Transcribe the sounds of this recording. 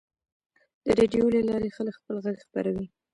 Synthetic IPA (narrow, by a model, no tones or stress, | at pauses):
d̪̥əɾeɖijoləlɑɾexələkxpəlɣaɡxpaɾawi